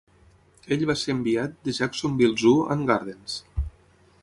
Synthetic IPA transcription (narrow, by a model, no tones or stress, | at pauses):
eʎβaseəmbiat̪̚d̪əʒaksombilˠzuə̰ŋɡaɾðens